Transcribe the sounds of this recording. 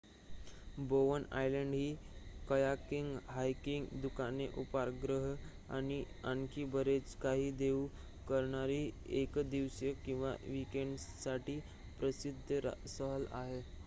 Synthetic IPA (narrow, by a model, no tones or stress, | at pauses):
boʋəna̰jləɳɖɦiːkəjakiŋɡɦajkiŋɡd̪ukaneʔupaɾɡɾəɦ | a̰ɽ̃i | ənkʰiːbəɾet͡skaɦiːd̪eu | kəɾɳaɾiːekd̪iʋsjəkĩw̃ʋa̰ʋikeɳɖsaʈiː | pɾəsid̪ʱəsəɦəla̰ɦe